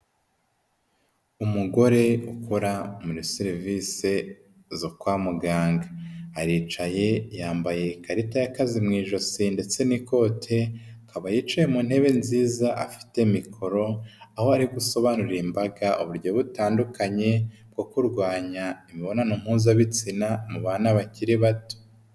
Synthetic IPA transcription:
umuɡo̞ɾe̞ukoɾamuɾisiɾivise | zokwaːmuɡaːŋɡaːɾiːt͡ʃaje̞jaːmbaje̞kaɾitajakazimŋiːʒo̞sinde̞t͡se̞niko̞ːtʰe̞akaβajiːt͡ʃajemuːn̥he̞βe̞nziːzaʔa̰fi̥te̞mikʰo̞ɾo̞aho̞aɾiɡuso̞βanuɾimbaɡaʔoβuɾɟoβutaːndukaɲe̞b̚ɡ̥o̞kuɾɡwaːɲaimiβo̞nanom̥huːzaβit͡sinamuβaːnaβaciɾiβato̥

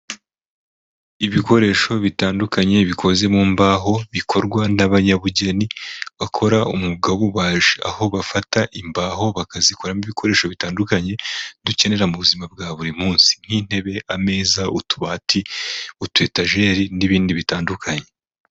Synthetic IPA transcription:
iβiko̞ɾe̞ːʃo̞βitaːndukaɲe̞βikʰo̞ze̞muːmbaːɦo̞βikʰo̞ɾɡwanaβaɲaβuɟe̞niβakʰo̞ɾaumuɡaβuβaːʒea̰ho̞βafataʔimbaːɦo̞βakaziko̞ɾamiβikʰo̞ɾe̞ːʃo̞βitaːndukaɲe̞duce̞ne̞ɾamuβuzimab̚ɡaːβuɾimuːnsi̥n̥hiːn̥he̞βe̞ʔame̞ːzaṵtu̥βatʰiutue̞taʒe̞ːɾiniβiːndiβitaːndukʰaɲe̞

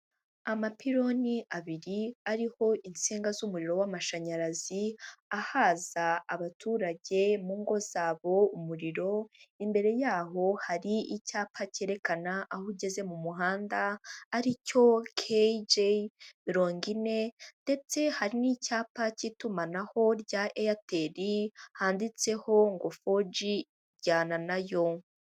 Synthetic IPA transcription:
amapiɾo̞niʔaβiɾiaɾiho̞int͡siːŋɡazumuɾiɾo̞wamaʃaɲaɾaziahazaːβatuːɾaɟe̞muːŋɡo̞z̥aːβo̞umuɾiɾo̞imbe̞ɾe̞jaːɦo̞haɾiicaːpʰace̞ːɾe̞kanaʔahuɟe̞ze̞mumuɦaːndaːɾico̞kʰed͡ʒemiɾo̞ːŋɡine̞nde̞t͡se̞haɾinicaːpacitumanaho̞ɾɟaʔejateɾihaːndit͡se̞ho̞ŋɡo̞fod͡ʒi | ɟaːnanajo̞

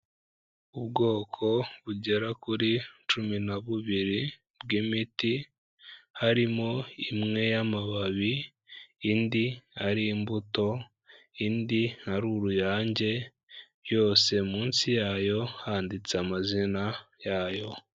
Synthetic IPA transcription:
uβɡo̞ːkʰo̞βuɟe̞ɾakuɾit͡ʃuminaβuβiɾi | b̚ɡimiti | haɾimo̞imŋe̞jamaβaβiː | ndiaɾiːmbuto̞ | indihaɾuɾujaːɲɟe̞ | jo̞ːse̞muːnsijaːjo̞haːndit͡seamazinajaːjo̞

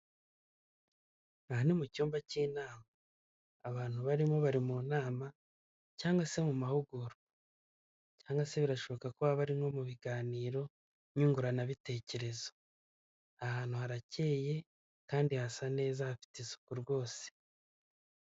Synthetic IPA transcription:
ahanimucuːmbaciːnaːmaː | βaːnhuβaɾimo̞βaɾimuːnaːma | caːŋɡwase̞mumahuɡuɾu | caːŋɡase̞βiɾaʃo̞βo̞kakuβaβaɾiŋo̞muβiɡaːniːɾo̞ | ɲuːŋɡuɾanaβite̞ːce̞ɾe̞zo̥ | ahaːn̥uhaɾace̞ːje̞ | kaːndihasane̞ːzahafi̥tesu̥kuɾɡwo̞ːse̥

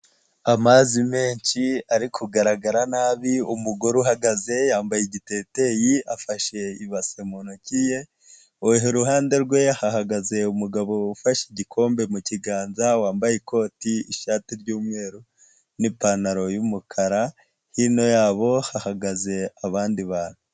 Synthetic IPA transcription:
amazimeːɲʃiaɾikʰuɡaɾaɡaɾanaːβiumuɡoɾuɦaɡaze̞jaːmbajeɟite̞ːte̞jiafaʃe̞iβasemonocije̞ | oeɦeɾuɦaːnde̞ɾɡwe̞haɦaɡaze̞umuɡaβo̞ːfaʃiɟikʰo̞ːmbe̞muciɡaːnzawaːmbajeko̞ːtiiʃaːtiɾɟuːmwe̞ːɾu | nipanaɾo̞jumukʰaɾa | hino̞jaːβo̞hahaɡaze̞aβaːndiβaːnu

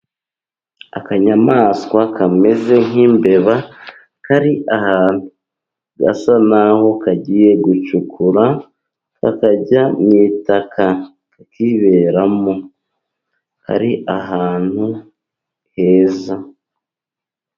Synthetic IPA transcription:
a̰kaɲamaːskwakʰame̞ze̞ŋ̥imbe̞βa | kaɾiʔahaːnhu | ɡa̰sanaho̞kaɟiːje̞ɡut͡ʃukʰuɾa | ka̰kaɟamitakʰa | akiβe̞ːɾamo̞ | ka̰ɾiʔaɦaːn̥hu | he̞ːza

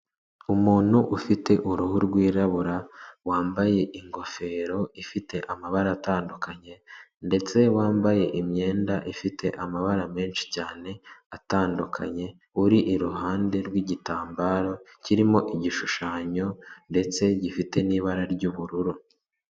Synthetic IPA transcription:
umuːn̥huʔufite̞ʔuɾuɦuɾɡwiːɾaβuɾawaːmbaje̞ʔiŋɡo̞fe̞ːɾo̞ifite̞ʔamaβaɾaːtaːndukaɲe̞nde̞t͡se̞waːmbaje̞ʔimɲe̞ːndaʔifite̞ʔamaβaɾame̞ːnʃi̥caːne̞ataːndukʰa̰ɲe̞ | uɾiʔiɾuɦaːnde̞ɾɡwiɟitaːmbaːɾo̞ciɾimo̞ʔiɟiʃuʃaːɲo̞nde̞t͡se̞ɟifite̞niːβaɾaɾɟuːβuɾuɾu

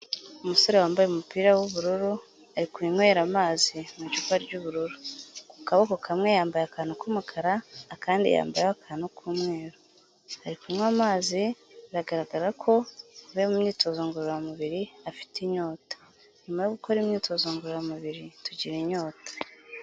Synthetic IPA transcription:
umuso̞ɾewaːmbajeumupiːɾawuβuɾuɾu | aɾikuin̥weːɾamaːzimut͡ʃukaɾɟuβuɾuɾu̥ku̥kaβakokʰamŋe̞jaːmbajakaːnokumukʰaɾaːkaːndḭja̰ːmbajakʰaːnukʰuːmŋe̞ːɾo | haɾikumŋamaːzi | iɾaɡaɾaɡaɾakʰo̞βemumɲiːto̞zoːŋɡoɾoɾamuβiɾiafi̥tiɲo̞ːtḁ | ɲumajoɡukʰo̞ɾimɲiːtʰo̞ːzoːŋɡoɾoɾamuβiɾituɟiɾeɲo̞ːtḁ

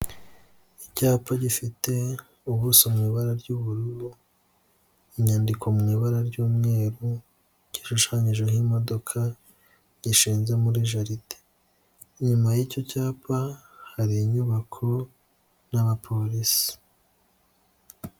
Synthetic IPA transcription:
icaːpaɟifite̞ | uβusomŋiːβaɾaɾɟuβuɾuɾu | iɲaːndikʰo̞muŋiːβaɾaɾɟuːmŋe̞ːɾu | ɟ̥iʃuʃaɲiʒweɦimo̞do̞kʰa | ɟiʃiːnze̞muɾiʒaɾite̥ | ɲumajico̞caːpa | haɾiɲuβakʰo | naβapʰo̞lisi̥

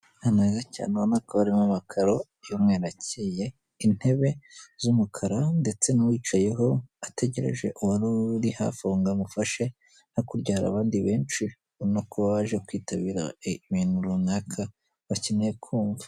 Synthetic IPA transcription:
naneːzaca̰ːnwonakaβaɾimamakʰaɾo | jomŋeɾacije̞ | in̥he̞βe̞zumukʰaɾande̞t͡se̞nawiːt͡ʃaje̞ɦo̞ate̞ɟe̞ɾe̞̰ʒe̞ʔuwuɾuɾiha̰foːŋɡamufaʃe̞ | nokuɾɟaːɾa̰βaːndiβe̞ːnt͡ʃi | nokʰoββaʒe̞kwiːtaβiːɾa̰minuɾunakʰa | βacineekʰuːɱva

